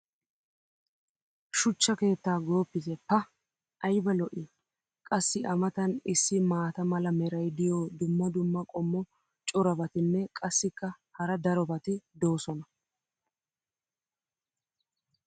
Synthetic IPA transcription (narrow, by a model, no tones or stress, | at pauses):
ʃʊt͡ʃːɐke̞ːt̪ːaːɡo̞ːpːɪzɛpːɐ | ʔɐjbɐlɔʔɪ | kʼɐsːɪʔɐmɐt̪ɐnɪsːɪmaːt̪ɐmɐlɐmɛɾɐjd̪ɪjɔːd̪ʊmːɐd̪ʊmːɐkʼɔmːɔ | t͡ʃʼɔɾɐbɐt̪ɪnːɛkʼɐsːɪkːɐ | hɐɾɐd̪ɐɾɔbɐt̪ɪd̪o̞ːsɔnɐ